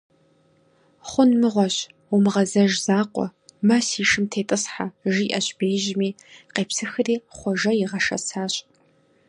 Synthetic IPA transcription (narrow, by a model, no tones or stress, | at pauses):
χʷʊnmɨʁʷɔɕ | ʊmɨʁɐzɐʒzaːqʷɔ̰mɐsiːʃɨmtʰeːtʼɨsħaʒiːʔɐɕʼbeːʒɪmiː | qeːpsɨxɨriːχʷɔʒɐjɪʁɐʃɐ̰saːɕʼ